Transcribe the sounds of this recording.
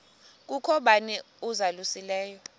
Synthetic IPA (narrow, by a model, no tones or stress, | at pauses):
k̬ʼukʰɔɓanɛ | uzalusilɛːjɔ